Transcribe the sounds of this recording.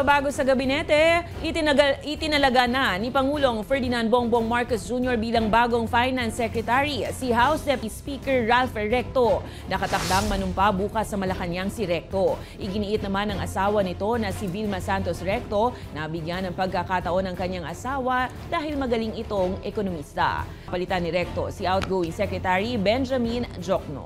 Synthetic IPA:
baːɡo̞sɐɡɐbɪnɛt̪ɛʔɪt̪ɪɪt̪ɪnɐlɐɡanɐnipɐŋuːlo̞ŋfɛɹd̪ɪnand̪boŋboŋmaɹkosd͡ʒunjoɹbiːlɐŋbaːɡo̞ŋfajnansɛkɾɛt̪aɹisihawsd̪ɛpispiːkɛɹːalfɛɹɛk̚t̪o̞ | nɐkɐt̪ɐk̚d̪aŋmɐnʊmpabuːkɐsːɐmɐlɐkɐɲaŋsɪɾɛk̚t̪o̞ | ʔɪɡɪniʔɪt̪̚nɐmanɐŋʔɐsaːwɐnɪt̪o̞nɐsivilmɐsant̪osɾɛk̚t̪o̞ | nɐbɪɡjanɐŋpɐɡ̚kɐkat̪ɐʔo̞nɐŋkɐɲaŋʔɐsaːwɐ | d̪̥aːhɪlmɐɡɐliŋɪt̪oŋʔɛkonomist̪ɐ̰ | pɐlɪt̪anɪɾɛk̚t̪o̞siʔawt̪̚ɡowɪŋsɛkɹɛt̪aɹibɛnd͡ʒɐmind͡ʒok̚no̰

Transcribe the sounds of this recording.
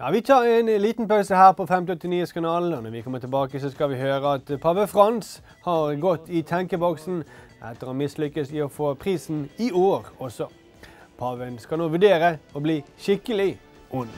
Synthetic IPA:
jɑ̰ːʋɪt̪ʰɑːʁɛɪnliːt̪n̩pʰɑʉsəhæːʁpɔfɛmt̪ɪɔt̪ːɪniːəskʰɑnɑːlɔnɔʋɪkʰɔmːət̪ʰɪlbɑːkəsɔskɑʋɪhøːɾəɑt̪pʰɑʋəfʁɑns | hɑʁɡɔt̪ːɪt̪ʰɑŋkəbɔksn̩ | ʔɛ̰t̪ːəɾoːmɪslʏkːəsɪɔfoːpʰʁiːsn̩ɪoːʁɔsɔ | pʰɑʋənskɑlnoːʋʉɖeːɾəɔbliːʃɪkːəlɪ | ʔʊn

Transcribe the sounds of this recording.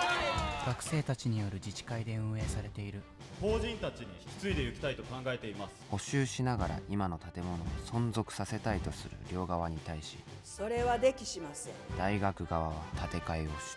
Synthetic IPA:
ɡ̥akɯ̟̥se̞ːt̪at͡ɕiɲ̟ijo̞ɾɯ̟d͡ʑit͡ɕi̥kaid̪e̞ɯ̟̃ɰ̃e̞ːsaɾe̞t̪e̞iɾɯ̟ | ho̞ːʑĩnt̪at͡ɕiɲ̟iç̥kʲi̥t͡sɨid̪e̞jɯ̟kʲi̥t̪ait̪o̞kãŋɡae̞t̪e̞imasɨ̥ho̞ɕɨːɕinaɡaɾa̰ʔimano̞t̪at̪e̞mo̞no̞asõ̞nzo̞kɯ̟̥sase̞t̪ait̪o̞sɨɾɯ̰ɾʲo̞ːɡaβaɲ̟it̪aiɕḭ | so̞ɾe̞βad̪e̞kʲiɕimasẽd̪̥aiɡakɯ̟ɡaβaβ̞at̪at̪e̞kaio̞ɕi̥

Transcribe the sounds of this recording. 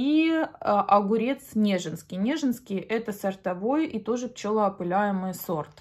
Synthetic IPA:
i | ʔɐɡʊɾʲe̞t̪snʲeʐɨnskʲɪjnʲeʐɨnskʲɪjʔɛt̪əsɐrt̪ɐvo̞jʔit̪o̞ʐɨpt͡ɕolˠəɐpɨlʲæjɪmɨjso̞rt̪

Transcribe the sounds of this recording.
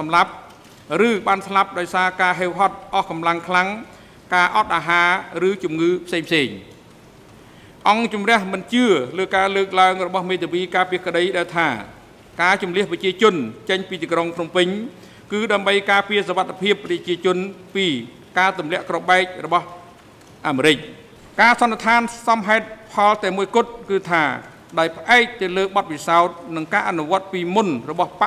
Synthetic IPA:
sɑmlap̚ | rɨːɓaːnslap̚ɗaɔjsaːkaːɦeːwɦɑt̪̚ʔɑhkɑmlaŋkʰlaŋ | kaːʔɑt̪̚ʔaːɦaːrɨːt͡ɕumŋɨːpʰseːŋpʰseːɲ | ʔɑŋt͡ɕumrɛ̆əhmɨnt͡ɕɨələːkaːləːk̚laəŋrɔɓɑhmeːt̪ʰiʋiːkaːpiəkə̆ɗəjɗaɛlt̪ʰaː | kaːt͡ɕumliəhprɑt͡ɕiət͡ɕʊ̆ənt͡ɕəɲpiːt̪iːkroŋpʰnumpɨɲ | kɨːɗaəmɓəjkaːpiəsoʋat̪ʰːapʰiəpːrɑt͡ɕiət͡ɕʊ̆ənpiː | kaːt̪umlɛ̆əʔkroɓaɛk̚rɔɓɑh | ʔaːmeːɾɨc̚ | kaːsɑnːeət̪ʰaːnsɑmɦaɛt̪̚pʰɑlt̪ɛəmuəjkʊ̆ət̪̚kɨːt̪ʰaː | ɗaɔjpʰə̆ʔaɛk̚t̪ɨwləːɓɑt̪̚pisaɔt̪̚nɨŋkaːʔanuʋŏət̪̚piːmunrɔɓɑhpaʔ

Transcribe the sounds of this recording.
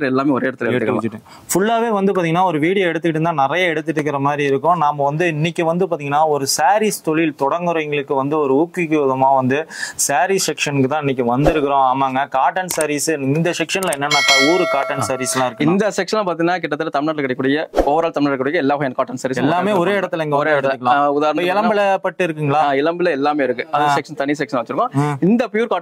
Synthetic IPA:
lɛlːaːmeːɔɾeːɽɐt̪ːlɐkeːkːɯʋɐt͡ʃːɯʈːẽː | fʊɭːaːʋeːʋɐnd̪ɯpaːt̪iŋɡɐnːaːɔɾɯʋiːɽɪjɐɛɽɯt̪ːɯkɪʈːɯnd̪ãːnɪɾɐjɐɛɽɯt̪ːɯʈːɾɯk̬ːɪɾɐmaːd̪ɾiɪɾɯkːʊ̃naːmɐʋɐnd̪ɯɪnːɪkʲːɯʋɐnd̪ɯpaːɾt̪iŋɡɐnaːɔɾɯsaːɾiːst̪ɔɭɪlt̪ɔɽɐŋɡɯɾŋɡɐɭɯkːɯʋɐnd̪ɯɔɾɯuːkːikːɯɐðɯmaːʋɐnd̪ɯsaːɾissɛkʂɐnɯkːɯt̪ãːɪnːɪk̬ʲːɯʋɐnd̪ɪɾɯkːɪɾõːaːmaːŋɡɐkaːʈːɐnsɐɾiːsɯɪnd̪ɐsɛkʂɐnlɐɛnːɐnːaːt̪ɐuːɾɯkaːʈːɐnsɐɾislãːɪɾɯkːɪ̃nd̪ɐsɛkʂɐnapaːɾt̪ĩŋɡɐnaːk̬ɪʈːɐt̪ːɯlɐt̪ɐmɪnaːʈlkːɐɽɛkːʊɽɐjɐoːʋɐɾaːlt̪ɐmɪɳaʈlkːʊɽɐjɐɛlːaːʋɐɣɐ̃ɛnɐkaːʈːɐnsɐːɾiːsɛlːaːmeːɔɾeːɪɽɐt̪ːɯlɛŋɡɐɔɾeːɽɐt̪ːɐɯkːɐɭaʊðaːɾɐnɐpɐɪlɐmbɪlɐpɐʈːɯɪɾɯkːɯŋɡɐɭaːɪlɐmbɪlɐɛlːaːmeːɪɾɯkːɯɐsɛkʂɐnt̪ɐɳɪjɐs̬ɛkʂɐnːʋɐt͡ʃːɪɾɯkːõːɪnd̪ɐpjuːɾkaː

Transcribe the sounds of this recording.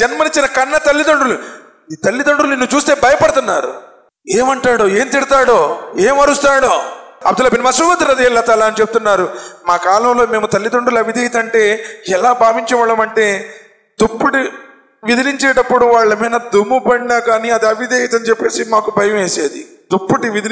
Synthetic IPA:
d͡ʒɐnmɐniɲt͡ʃinɐkɐnːɐt̪ɐlːid̪oɳɖulu | iːt̪ɐlːid̪ɐɳɖulninːut͡ʃuːst̪e̞ːbɐjɐpɐɽt̪unːaːɾṵ | eːmɐɳʈaːɽoːeːmt̪iɽit̪aːɽoːeːmɐɾust̪aːɽoːɐb̚d̪ulaːbinɐmɐsuʋɐd̪ːɐɾɐd̪eːlːɐt̪aːlaːɐnit͡ʃepu̥t̪unːaːɾumaːkaːlɐmlo̞ːme̞ːmut̪ɐlːid̪oɳɖulɐʋid̪ejɐt̪ɐɳʈe̞ːɛlaːbʱaːʋiɲt͡ʃɐʋɐɭːɐmɐɳʈe̞ː | t̪opːuʈi | ʋid̪iliɲt͡ʃeːʈɐpːuɽuʋaːɭːɐmɐjnɐd̪umːupɐɳɖinaːkaːniɐd̪iɐʋid̪eːjɐt̪ɐnit͡ʃɛpːe̞ːsimaːkubʱɐjɐme̞ːseːd̪i | d̪opːuʈiʋid̪i

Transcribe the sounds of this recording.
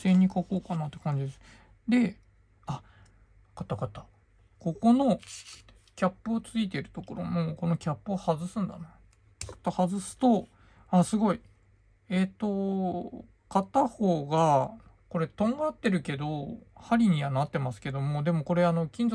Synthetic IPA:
se̞ɲ̟ːikakoːkanat̪ːe̞̥kãɲ̟d͡ʑid̪esɨ̥ | d̪e̞ | a | kat̪akat̪ḁ | ko̞ko̞no̞ | kʲapːɯ̟ot͡sɨit̪̬e̞ɾɯ̟̥t̪o̞ko̞ɾo̞̰moko̞no̞kʲapːɯohazɨsɨ̃nd̪a̰na | kḁt̪ahazɨsɨ̥t̪o̞ | asɨɡo̞i | e̞t̪ːo̞ | kat̪aho̞ːɡa | ko̞ɾe̞t̪õ̞ŋɡaːt̪ːe̞ɾɯ̟ke̞d̪o̞haɾʲiɲ̟iβanat̪ːe̞masɨ̥ke̞d̪o̞mo̞d̪e̞mo̞ko̞ɾe̞ano̞kʲĩnzo

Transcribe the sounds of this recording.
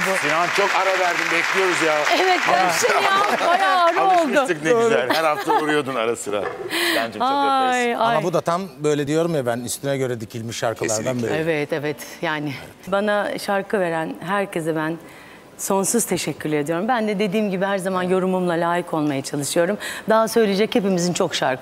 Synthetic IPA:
businant͡ʃʰo̞kaɾavæɾd̪imbɛclʲijo̞ɾuzjaevɛt̪abajaːaɾaolˠd̪ʊikneoɾælhhæɾhaft̪auɾujo̞d̪unaɾasɯɾa̰bænd͡ʒajaamabud̪at̪ʰambø̞jlʲɛd̪ijo̞ɾumjabænyst̪ʰynɛɟø̞ɾɛd̪icʰilʲmiʃːaɾkʰalˠaɾd̪anbeevɛt̪evɛt̪jaːnɪ | banaʃaɾkʰɯve̞ɾænɦæɾcʰe̞zɛbæn | so̞nsuz̥t̪ʰe̞ʃɛcʰːyɾlʲeed̪ijo̞ɾumbænd̪ɛd̪e̞d̪iːmɟibihæɾzamanjo̞ɾumumlˠalʲaːjikʰo̞lˠmajat͡ʃʰalˠɯʃɯjo̞ɾumd̪aɦasø̞jlʲied͡ʒɛche̞pimizint͡ʃʰo̞kʃaɾkʰɯ

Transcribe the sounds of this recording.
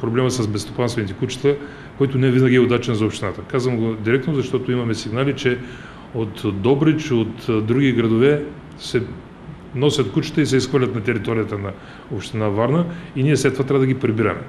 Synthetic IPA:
pɾoblɛməsɐsbɛst̪o̥panst̪vɛnit̪ɛkut͡ʃə̥t̪ə | kɔjt̪ʊnɛɛvinəɡʲiɛod̪at͡ʃɛnzɐopʃt̪inat̪əkazvəmɡod̪iɾɛk̚t̪nozɐʃt̪ɔt̪ʊimɐmɛsiɡnalit͡ʃɛ | ot̪d̪ɔbɾit͡ʃot̪d̪ɾuɡʲiɡɾɐd̪ovɛ | sɛ | nɔsʲɐt̪kut͡ʃə̥t̪əisɛisxvəɾlʲɐt̪nɐt̪ɛɾit̪ɔɾijət̪ənɐ | opʃt̪inavaɾnəiniɛslɛt̪ːvat̪ɾavəd̪ɐɡʲipɾɛbiɾɐ̰mɛ̰

